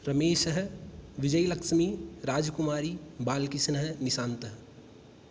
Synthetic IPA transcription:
ɾɐmeːʃəɦʋɪd͡ʒəjlɐkʃmiːɾaːd͡ʒkʊmaːɾibaːlkɪsnəɦnɪʃãːnt̪əɦ

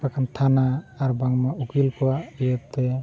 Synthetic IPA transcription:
akʰant̪ʰanaːɾbaŋmaukilkʰɔwaijəp̚t̪ɛ

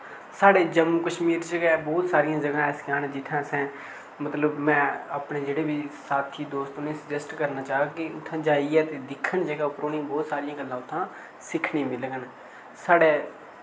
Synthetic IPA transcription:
saːɽeːd͡ʒəmːuːkəʃmiːɾd͡ʒəɡɛːbɔːt̪saːɾijãːd͡ʒəɡãːɛːskaːnɛːd͡ʒɪt̪ʰãːsɛ̃ː | mət̪ləbmɛ̃ːaːpɳeːd͡ʒeːɽeːbʱiːsaːt̪ʰiːd̪oːst̪ʊneːsəd͡ʒəsʈkəɾnaːt͡ʃaːɦkɪʊt̪ʰːãːd͡ʒaːiːɛːt̪eːd̪ɪkʰːəɳd͡ʒəɡaːʊpɾoːnĩbɔːt̪saːɾɪjãːɡəlːãːʊt̪ʰːãː | sɪkʰniːmɪlɡən | saːɽeː

